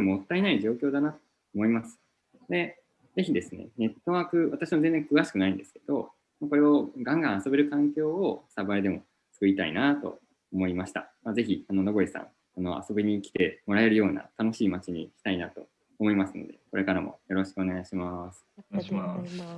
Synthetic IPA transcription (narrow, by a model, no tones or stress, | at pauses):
emot̪ːainaiʑo̞ːkʲo̞ːd̪anat̪o̥ːmo̞imasɨ̥ | d̪e̞ | ze̞çʲid̪e̞sɨne̞̰ne̞t̪ːo̞βaːkɯ̟βat̪aɕimozend͡zeŋkɯ̟βaɕi̥kɯ̟naĩnd̪e̞sɨ̥ke̞d̪o̞ | mako̞ɾe̞oɡãŋɡãɰ̃aso̞be̞ɾɯ̟kãŋkʲo̞ːosabaed̪e̞mo̞̰ | t͡sɨ̥kɯ̟it̪aḭnat̪o̞̰ | omo̞imaɕi̥t̪a̰maze̞çiano̞noɡo̞isã̰ŋ̃ | ano̞̰a̰so̞beɲ̟ikʲi̥t̪e̞mo̞ɾae̞ɾɯ̟jo̞ːna̰t̪ano̞ɕiːmat͡ɕiɲ̟ḭki̥t̪ainat̪o̞̰ | omo̞imasɨno̞d̪e̞ko̞ɾʔe̞kaɾamo̞̰jo̞ɾo̞ɕi̥kɯ̟o̞ne̞ɡaiɕimasɨ̥